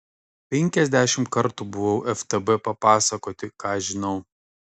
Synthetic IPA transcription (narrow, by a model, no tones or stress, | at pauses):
pʲɛŋʲkʲɛzʲd̪ʲæʃʲɪmt̪kɐɾt̪ubʊʋɐʊʔɛft̪ɐbɛpɐpɑːsɐkoːt̪ʲɪkɑːʒʲɪnɐʊ